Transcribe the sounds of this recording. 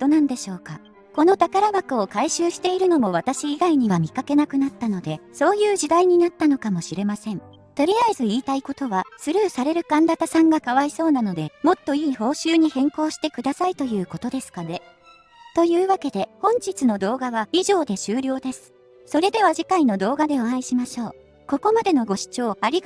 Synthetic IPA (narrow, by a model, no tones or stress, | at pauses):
d̪̥onãnd̪e̞ɕo̞ːka | ko̞no̞t̪akaɾabakɯ̟o̞kaiɕɨːɕi̥t̪e̞iɾɯ̟no̞mo̞βat̪aɕiːɡaiɲ̟iβamʲikake̞nakɯ̟nat̪ːano̞d̪e̞so̞ːjɯ̟ːʑid̪aiɲ̟inat̪ːano̞kamo̞ɕiɾe̞masẽ̞n | t̪o̞ɾʲijaizɨiːt̪aiko̞t̪o̞βasɨɾɯ̟ːsaɾe̞ɾɯ̟kãnd̪at̪asãŋɡakaβaiso̞ːnano̞d̪e̞mo̞t̪ːo̞iːho̞ːɕɨːɲ̟ihẽ̞ŋko̞ːɕi̥t̪e̞kɯ̟d̪asait̪o̞jɯ̟ːko̞t̪o̞d̪e̞sɨ̥kane̞ | t̪o̞jɯ̟ːβake̞d̪e̞hõ̞ɲ̟t͡ɕit͡sɨno̞d̪o̞ːɡaβaiʑo̞ːd̪e̞ɕɨːɾʲo̞ːd̪e̞sɨ̥ | so̞ɾe̞d̪e̞βaʑikaino̞d̪o̞ːɡad̪e̞oãiɕimaɕo̞ː | ko̞ko̞mad̪e̞no̞ɡo̞ɕi̥t͡ɕo̞ːaɾʲi